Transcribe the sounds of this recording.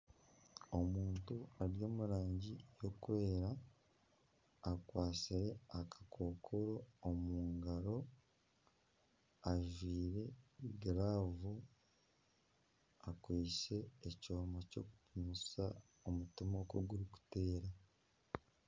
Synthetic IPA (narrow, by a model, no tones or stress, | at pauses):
o̞muːntuaɾjo̞ːmuɾaːɲɟijo̞kuwe̞ːɾa | kwaːsiɾe̞akʰḁkʰo̞ːkʰo̞ɾo̞ːmuːŋɡaɾo̞ | aʒwiːɾe̞ɡiɾaːvu | akwiːse̞ːco̞ːmaco̞̰ːku̥pumusa | omutimokoɡuɾiku̥te̞ːɾa